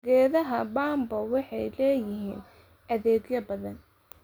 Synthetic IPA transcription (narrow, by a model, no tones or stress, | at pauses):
ɡɛːðɐɦɐbaːmbɐwɑħɑjlɛːjɪɦiːn | ʔɐðɛːɡjɐbɐðɐn